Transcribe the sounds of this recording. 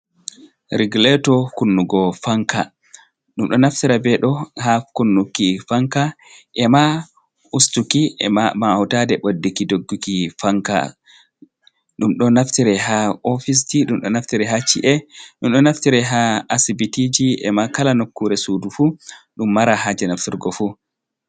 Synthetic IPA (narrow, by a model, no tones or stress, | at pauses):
ɾiɡulɛtɔkunːuɡɔfaŋka̰ | ɗumɗɔnaftiɾabɛɗɔhakunːukːifaŋka | ʔɛma | ustukḭamahutadɛɓodːikidoɡːukifaŋka̰ | ɗumɗɔnaftiɾɛɦaɔfis̬tiɗumɗɔnaftiɾɛɦat͡ʃḭʔɛɗumɗɔnaftiɾɛɦaasibitid͡ʒiʔɛ̰makalanokːuɾɛsudufuɗumːaɾaɦad͡ʒɛnaftiɾɡɔfu